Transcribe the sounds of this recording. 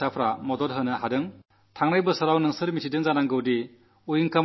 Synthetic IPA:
apʰɾamɔdɔɾɦɯnɯhadɯŋ | tʰaŋnajbɯsɐɾawnɯŋsɯɾmitʰidɯŋzanaŋɡɯwdi | ujiŋkam

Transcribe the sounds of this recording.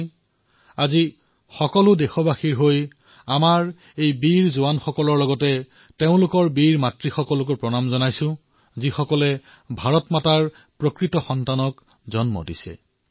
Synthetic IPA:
azi | xɔkɔlʊdexɔbaxiɹɦoj | amaɹ | ejbiɹzʊwanxɔkɔlɔɹlɔɡɔtɛ | teʊ̃lʊkɔɹbiɹmatɹixɔkɔlʊk̬ɔɹpɹɔnamzɔnajsʊ̃ | zixɔkɔlɛ | bʱaɹɔtmataɹ | pɹokɹitɔxɔntanɔk | zɔnmɔ̰dḭsɛ̰

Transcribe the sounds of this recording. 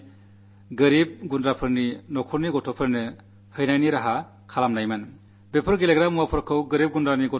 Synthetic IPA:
ɡɯɾib̚ɡundɾapʰɯɾninɔkʰɔɾniɡɔtʰɔpʰɯɾnɯ | hɯjnajniɾaɦa | kʰalamnajmɯn | bepʰɯɾɡeleɡɾamuwapʰɔɾkʰɯwɡɯɾip̚ɡundɾaniɡɔ

